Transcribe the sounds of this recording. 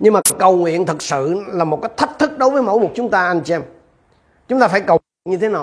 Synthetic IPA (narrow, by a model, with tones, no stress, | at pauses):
ɲɨ˧ŋmaː˨˩kə˨˩wŋwḭ˧˨ənt̪ʰɨ˨˩k̚sɨ̰˧˨laː˨˩mo˨˩t̚kaː˨˦˥jt̪ʰə˦˥t̚t̪ʰɨ˦˥k̚ɗo˨˦jvəː˨˦jmo̰˧˥jmo˨˩t̚t͡ɕʊ˨˦ŋ͡mt̪aː˧ʔa˧jnt͡ɕi˧ɛ˧m | t͡ɕʊ˦ŋ͡mt̪aː˧faː˧˩jkə˨˩wi˨˩ənɲɨ˧t̪ʰe˨˦naː˨˩